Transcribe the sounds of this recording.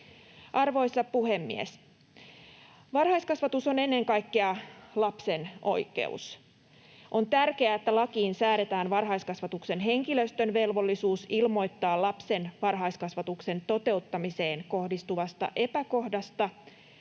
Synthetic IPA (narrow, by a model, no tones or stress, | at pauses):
ʔɑrʋo̞jsɑpuhe̞mːḭḛs | ʋɑrhɑiskɑsʋɑt̪uso̞ne̞nːe̞ŋkɑjkːeɑlɑpse̞no̞̰jke̞̰ṵs | ʔo̞nt̪ærk̟eæet̪ːælɑkiːnsæːɾe̞t̪æːnʋɑrɦɑjskɑsʋɑt̪ukse̞nɦe̞ŋkiløst̪ønʋe̞lʋo̞lːisuːsilmo̞jt̪ːɑːlɑpse̞nʋɑrɦɑjskɑsʋɑt̪ukse̞nt̪o̞t̪e̞ut̪ːɑmise̞ːnko̞hdist̪uʋɑst̪ɑ̰ʔe̞pæko̞hdɑst̪ɑ